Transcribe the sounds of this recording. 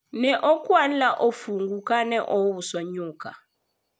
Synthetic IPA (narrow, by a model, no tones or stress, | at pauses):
nɛʔokʼwanlaʔofuŋɡukʼanɛʔowuswaɲuːkʰa̰